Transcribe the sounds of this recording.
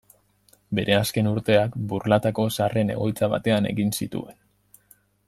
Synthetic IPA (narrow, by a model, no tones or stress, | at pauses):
be̞ɾʔe̞aske̞nuɾt̪e̞akburlat̪ako̞sare̞ne̞̰ɣo̞jt͡saβa̰t̪e̞ane̞̰ɣinsit̪ṵe̞n